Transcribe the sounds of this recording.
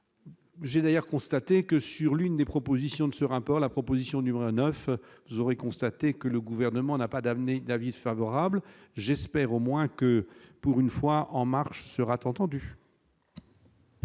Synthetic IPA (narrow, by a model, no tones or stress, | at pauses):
ʒɛd̪ajœʁkɔ̃st̪at̪ekəsyʁlynd̪epχɔpozisjɔ̃d̪əsəʁapɔʁlapχɔpozisjɔ̃d̪nymeʁonœfvuzɔʁekɔ̃st̪at̪ekələɡuvɛʁnəmɑ̃napad̪amned̪avifavɔʁablʒɛspɛʁomwɛ̃kəpuʁynfwaʔɑ̃maʁʃsəʁat̪ɑ̃t̪ɑ̃d̪y